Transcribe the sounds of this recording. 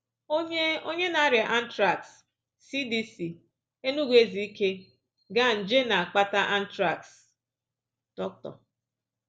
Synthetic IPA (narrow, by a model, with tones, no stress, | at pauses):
o˦o˦ɲe˦na˨a˦ɾɪ˨ʔa˦n̩˦tɾa˨ksː | i˦di˦si˨ | e˦nu˦ɡʷe˦zi˨i˦ke˦ | ɡa˦n̩˨d͡ʒe˦na˨a˨k͡pa˦ta˦ʔa˦n̩˦tɾa˨ks | tɔ˦k̚tɔ̰˨